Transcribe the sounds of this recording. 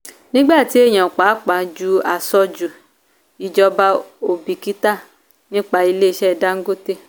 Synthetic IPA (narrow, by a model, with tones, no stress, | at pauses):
nĩ˦ɡ͡ba˦˨ti˨˦e˦˨j̃ã˨k͡pa˨˦k͡pa˨˦d͡ʒu˦a˨sɔ˧d͡ʒu˨ | i˨d͡ʒɔ˧ba˧o˧˨bi˨ki˦ta˦˨ | nĩ˦k͡pa˧i˧le˦i˧˨ʃɛ˦˨da˨˦ŋ̩˦ɡo˦te˦